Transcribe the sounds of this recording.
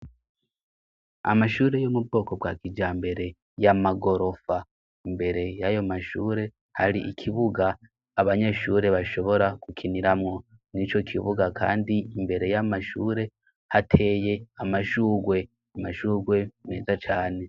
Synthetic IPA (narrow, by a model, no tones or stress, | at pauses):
a̰maʃuːɾe̞jomub̚ɡo̞ːko̞bɡaːkid͡ʒaːmbe̞ɾe̞ | jamaɡo̞ɾo̞fa | imbe̞ɾe̞jajo̞maʃuːɾe̞ | haɾḭʔikʰiβuɡaː | βaɲe̞ʃuːɾe̞βaʃo̞βo̞ɾakukʰiniɾamŋo̞ | nit͡ʃo̞kʰiβuɡakʰa̰ːndiimbe̞ɾe̞jamaʃuːɾe̞ | hatʰe̞ːje̞amaʃuːɡwe̞ | amaʃuːɾɡwe̞ne̞ːzat͡ʃaːne̞